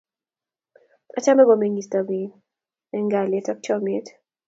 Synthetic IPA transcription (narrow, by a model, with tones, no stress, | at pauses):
a˦t͡ʃa˦mɛ˦bɔ˨me˦ɲi˨stɔ˨mi˨˦ | ɛ˦ŋɡa˨le˦tɔ˦k̚t͡ʃɔ˦me˦t